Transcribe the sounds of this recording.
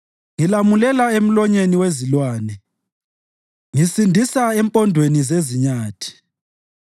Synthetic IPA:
ŋilamulɛlaem̩lɔɲeniwezilwaːnɛ | ŋisindʱisaɛmpʼɔndʱwenizeziɲaːtʰi̥

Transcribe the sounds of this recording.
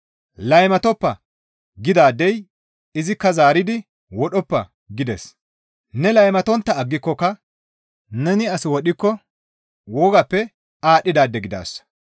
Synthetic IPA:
lɐjmɐt̪ɔpːɐ | ɡɪd̪aːd̪ːɛj | ɪzɪkːɐzaːɾɪd̪ɪ | wɔɗɔpːɐ | ɡɪd̪ɛs | nɛlɐjmɐt̪ɔnt̪ːɐːɡːɪkːɔkɐ | nɛnɪɐsɪwɔɗɪkːɔ | wɔːɡɐpːɛ | aːɗːɪd̪aːd̪ːɛɡɪd̪a̰ːsːɐ̥

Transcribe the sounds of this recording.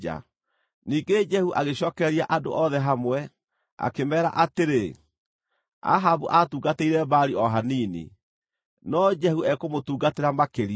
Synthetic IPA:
a̰ | niːɡed͡ʒɛhuʔaɣeɕɔːkɛɾiaʔado̰ʔɔðɛɦamwɛ | a̰kemɛːɾa̰ʔateɾe | a̰ɦabuʔatuːɡateiɾɛbaɾiɔɦaninḭ | nɔd͡ʒɛhuɛkomotuːɡateɾamakeɾi

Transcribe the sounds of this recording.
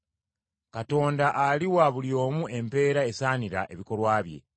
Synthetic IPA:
kato̞ːndaʔaliwaβuljo̞ːmuʔe̞mpe̞ːɾae̞saːniɾa̰ʔe̞̰βiko̞lwaːβje̞̰

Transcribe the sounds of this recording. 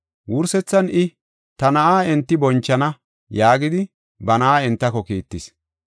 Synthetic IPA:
wʊɾsɛt͡sːɐnʔɪ | t̪ɐnɐʔaːɛnt̪ːɪbɔnt͡ʃːɐnɐ | jaːɡɪd̪ɪ | bɐnɐʔaːɪnt̪ːɐkɔkiːt̪ːɪs

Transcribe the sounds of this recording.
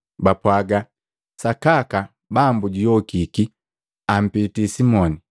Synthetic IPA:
bapwaɡa | sakaka | bambuɟijɔkiki | am̩pitisimɔni

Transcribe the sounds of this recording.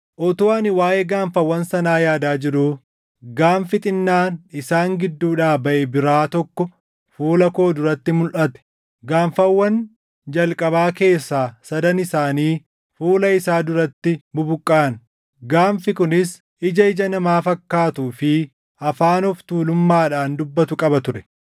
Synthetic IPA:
ʔɔt̪ʊɐnɪwaːʔeːɡaːɱfɐwːɐnsɐnaːjaːd̪aːd͡ʒɪɾu | ɡaːmfɪt̪ʼɪnːaːnɪsaːŋɡɪd̪ːuːᶑaːbɐʔɛbɪɾaːt̪ɔkːɔ | fuːlɐko̞ːd̪ʊɾɐt̪ːɪmʊlʔɐt̪ɛ̥ | ɡaːɱfɐwːɐn | d͡ʒɐlkʼɐbaːke̞ːsːaːsɐd̪ɐnɪsaːniː | fuːlɐɪsaːd̪ʊɾɐt̪ːɪbʊbʊkʼːaːɐn | ɡaːɱfɪkʊnɪs | ʔɪd͡ʒɐɪd͡ʒɐnɐmaːfɐkːaːt̪uːfɪ | ɐfaːnɔft̪uːlʊmːaːᶑaːnd̪ʊbːɐt̪ʊkʼɐbɐt̪ʊɾɛ

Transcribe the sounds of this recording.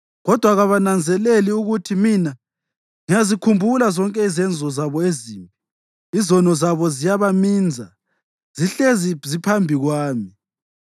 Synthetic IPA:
ɣɔd̥ʱwaɣaβanand͡zʱɛleliuɣutʰimina | ŋijazikʰumbʱulazɔŋkʼɛizɛnd͡zʱɔzaβɔeziːmpʼi | izɔnɔzaβɔzijaβamiːnd͡zʱa | z̥iɬezizipʰambʱiɣwaːmi

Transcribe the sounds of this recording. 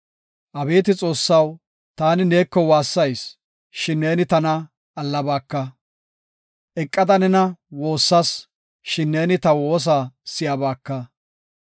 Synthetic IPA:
ʔɐbe̞ːt̪ɪt͡sʼo̞ːsːɐw | t̪aːnɪne̞ːkːɔwaːsːɐjs | ʃɪnːe̞ːnɪt̪ɐnɐ | ʔɐlːɐbaːkːɐ | ʔɛkʼːɐd̪ɐnɛnɐwo̞ːsːɐs | ʃɪnːeːnɪt̪ɐwoːs̬asɪjabaːkːɐ

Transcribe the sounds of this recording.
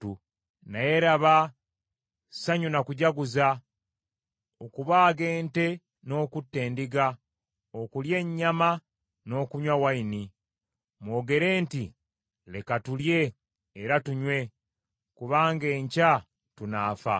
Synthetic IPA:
u | naje̞ɾaβa | saɲunakuɟaɡuza | okuβaːɡe̞ːnte̞ | no̞ːkutːe̞ːndiɡa | okulje̞ɲːama | no̞ːkuɲwawaini | mwo̞ːɡe̞ɾe̞ːnti | le̞katulje̞ː | ɾatuɲwe̞ | kuβaːŋɡe̞ːɲca | tunaːfa̰

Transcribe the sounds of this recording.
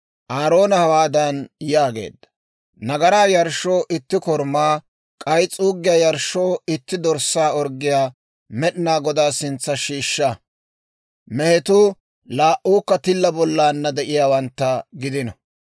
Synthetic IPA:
ʔaːɾo̞ːnɐhɐwaːd̪ɐnjaːɡe̞̰ːd̪ːɐ̥ | nɐɡɐɾaːjɐɾʃoːʔɪt̪ːɪkɔɾmaː | kʼɐjt͡sʼuːɡːɪjaːjɐɾʃːoːɪt̪ːɪd̪ɔɾsaːɔɾɡɪjaː | mɛɗɪnaːɡɔd̪aːsɪnt͡sːɐʃiːʃːɐ | mɛhɛt̪ʊ | laːʔuːkːɐt̪ɪlːɐbɔlːaːnːɐd̪ɛʔɪjaːwɐnt̪ːɐɡɪd̪ɪnɐ

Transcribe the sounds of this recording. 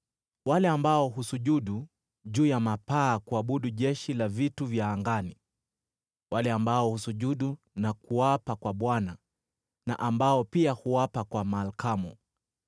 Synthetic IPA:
walɛambaɔɦusuʄuɗu | ʄuːjamapaːkuaɓuɗuʄɛʃilavituvjaːŋɡani | walɛambaɔhusuʄuɗu | nakuwapakwaɓwana | na̰ʔambaɔpiahuwapakwamalkamu

